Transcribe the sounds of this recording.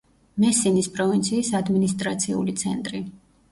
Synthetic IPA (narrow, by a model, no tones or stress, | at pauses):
mɛsinispʼɾɔvint̪sʰiːsad̪minist̪ʼɾat̪sʰiṵlit̪sʰɛ̰nt̪ʼɾi